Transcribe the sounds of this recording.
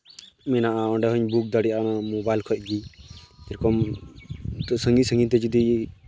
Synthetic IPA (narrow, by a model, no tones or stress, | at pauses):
mɛnaʔaɔɖɛɦɔɲbuk̚d̪aɽijanamobajlkʰɔc̚ɡiɛɾkɔm | t̪ɔsəŋɡisə̃ŋɡit̪̬ɛd͡ʒud̪i